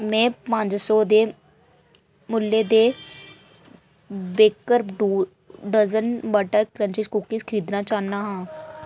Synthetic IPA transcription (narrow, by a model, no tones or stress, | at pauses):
mɛ̃ːpə̃ɲd͡ʒsɔːd̪eː | mʊlːeːd̪eː | beːkəɾɖ | ɖəzənbəʈəɾkɾənt͡ʃɪskukːiskʰɪɾiːd̪naːt͡ʃaːnːaːɦãː